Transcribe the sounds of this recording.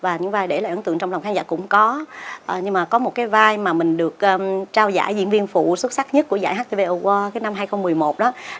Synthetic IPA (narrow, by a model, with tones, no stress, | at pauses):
vaː˨˩ɲɨ̰˧˥ŋvaː˨˩jɗe˧˩laː˨˩ʔə˨˩˦nt̪ɨ̰˧˨ŋt͡ɕɔ˧wŋ͡mla˨˩ŋ͡mkʰaː˨˦nzaː˧˩kʊ̰˧˥ŋ͡mkɔ˨˦ʔə˨˩ɲɨ˧ŋmaː˨˩kɔ˨˦mo˨˩t̚kaː˨˦jvaː˧jmaː˨˩mï˨˩ŋ̟ɗɨ˨˩ək̚ʔːt͡ɕaː˧wza̰ː˧˩jzḭ˧˥nvi˧ənfṵ˧˨swə˦˥t̚sa˦˥k̚ɲə˦˥t̚ku˧˩əza̰ː˧˩jɦaː˦˥k̚t̪e˧ve˧ʔə˧ɣwaː˧kaː˨˦jna˧mɦaː˧jxə˧wŋ͡mmɨ˨˩əjmo˨˩t̚ɗɔ˨˦